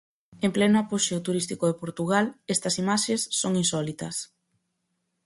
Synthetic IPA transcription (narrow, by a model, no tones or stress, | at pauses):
emplɛnʊapoʃet̪uɾist̪ikoðepoɾt̪uɣ̞alest̪ɐsimaʃesːoŋinsɔlit̪ɐs